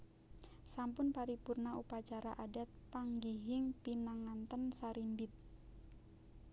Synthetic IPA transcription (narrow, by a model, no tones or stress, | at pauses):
sampʊnpaɾipurnaupat͡ʃaɾaʔadat̪̚paŋɡiɦɪŋpinaŋant̪ənsaɾimbɪt̪̚